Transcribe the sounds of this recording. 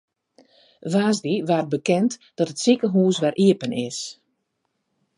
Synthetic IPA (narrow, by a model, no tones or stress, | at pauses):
ʋaːzdiʋaːrt̚bəkɛntd̥ɔtətsikəɦuːsʋɛrʔiəpənʔɪs